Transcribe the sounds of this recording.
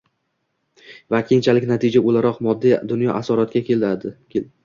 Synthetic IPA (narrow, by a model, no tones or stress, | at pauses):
vakʲʰe̞nt͡ʃʰalɪkʲnat̪ʰɪd͡ʒaolaɾɒqmɒd̪ːid̪ʊnjɒʔasɒɾɒt̪̚kʲakʲʰe̞lad̪ɪ | e